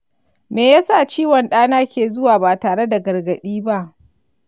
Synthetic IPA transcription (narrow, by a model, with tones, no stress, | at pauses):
meː˨jaː˦sa˦˨t͡ʃiː˦wɔ˨nɗaː˦naː˦kʲeː˨zʊ˦waː˨baː˨taː˨ɽe˦da˨ɡɐ˨rɡɐ˨ɗiː˦ba˦ʔ